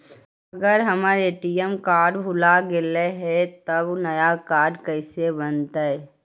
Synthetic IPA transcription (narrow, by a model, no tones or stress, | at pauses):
ɐɡəɾɦɐmaːɾeʈijɛmkaːɾɖbʱʊlaɡɪleɦɛt̪ɐbnɐjakaːɾɖkəɪsebənt̪aɛ